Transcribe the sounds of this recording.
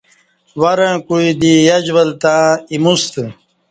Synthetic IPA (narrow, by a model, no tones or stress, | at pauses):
wɐɾə̃ːkuid̪ijɐd͡ʑwɐlt̪ãːimust̪ə